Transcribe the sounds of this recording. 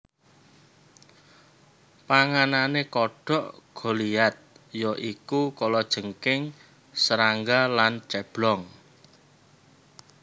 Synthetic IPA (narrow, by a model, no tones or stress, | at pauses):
paŋananekɔɖ̥ɔ̤ʔɡ̥ɔ̤liat̪̚jɔʔikukolɔd̥ʒ̥ə̤ŋkɪŋ | səɾaŋɡalant͡ʃɛb̥lɔŋ